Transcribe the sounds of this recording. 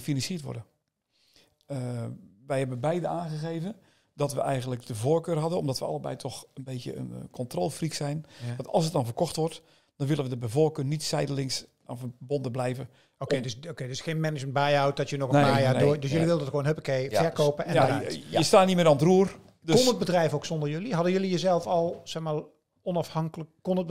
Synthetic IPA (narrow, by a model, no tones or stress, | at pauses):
əfinɑnsiətʋɔ̰rdə | əʋɛjhɛbəbɛjdəaːnɣəɣeːvə | dɔtʋə̰ʔɛjɣəndləkdəvoːrkøːrɦadəɔmdɔtʋəɑ̰lˠəbɛ̰jtʰɔxənbeːtjə̰ə̰nkʰɔntroːlˠfriksɛjndɔtɔ̰lˠsət̚dɔnvərkɔxtʋɔrt | d̥ɔnʋɪlˠənʋədəbəvoːkøːrnitsɛjdəlɪŋs | avəbondəblɛjvə | okedsokedɪsxeːnmɛnɪd͡ʒmənbajawt̚dɔtjənɔɣənmaːjaːdodøs̬jøliʋɪlˠdədxwoːnɦøpəkejfɛrkoːpəɛjaajəstaːnimɪːnɔntruər | døkonət̚bədrɛjfoksɔndərjøliɦɑdəjølijəzɛlˠfɔlˠsɛxmaː | ɔnɑfhɑŋkləkkɔnə